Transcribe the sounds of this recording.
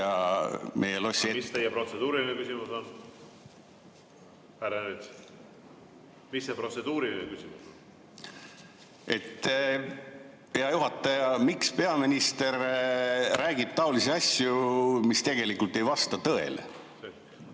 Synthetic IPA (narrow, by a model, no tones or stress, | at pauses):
ɑmʔe̞jelosst̪ejːepro̞t̪sed̪uːɾilinekysimuson | pæɾenet̪ | misːepro̞t̪sed̪uːɾilinekysimuso | e̞t̪ː | ejɑjuɦɑt̪ːˑɑjɑmikspe̞ɑminist̪e̞rː | æːɡ̥ib̥̚t̪ɑoliseɑsʲjumist̪e̞ɡ̥e̞likult̪ːe̞jvɑst̪ɑt̪ɤe̞̰le | se